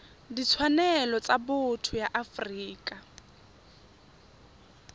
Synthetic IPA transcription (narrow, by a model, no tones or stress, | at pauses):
dit͡sʰwanɛlɔt͡sʼabʊtʰʊjaʔafriːkʼa